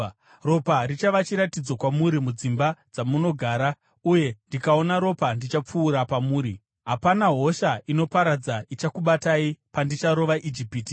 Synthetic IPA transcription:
ro̞parit͡ʃaʋat͡ʃiɾatid͡zo̞kwamuɾimud͡zimbad͡zamuno̞ɡʱaːɾa | uje̞ndikao̞naɾo̞pandit͡ʃap͡fuːɾapamuːɾi | ɦapanaɦo̞ʃaino̞paɾad͡zait͡ʃakuɓataipandit͡ʃaɾo̞ʋaʔid͡ʒipiːti

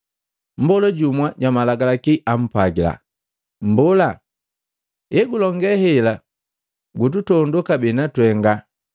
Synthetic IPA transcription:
m̩bɔlɔɟumwaɟamalaɡalakiʔam̩paɡila̰ | m̩bɔla | ɛɡulɔŋɡɛhɛla | ɡut̬utɔndukabɛnatwɛŋɡa

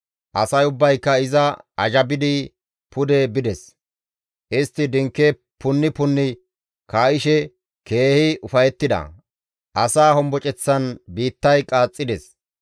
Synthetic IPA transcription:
ʔɐsɐjʊbːɐjkːɐɪzɐʔɐʒɐbɪd̪ɪ | pʊd̪ɛbɪd̪ɛs | ʔɪst̪ːɪd̪ɪŋkːɛ | pʊnːɪpʊnːɪ | kaːɪʃɛ | ke̞ːhɪʊfɐjɛt̪ːɪd̪ɐ̰ | ʔɐsaːɦɔmbɔt͡ʃʼɛt͡sːɐnbiːt̪ːɐjkʼaːt͡sʼːɪd̪ɛs

